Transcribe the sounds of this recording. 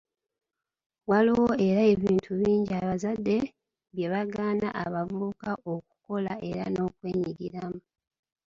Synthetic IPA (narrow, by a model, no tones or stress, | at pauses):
waliwoe̞ɾae̞βiːntʰuβiːɲɟiaβazadːe̞ | βje̞βaɡaːna̰ʔaβavuβukaʔo̞k̚u̥ko̞lae̞ɾa̰no̞ːkwe̞ːɲiɡiɾamu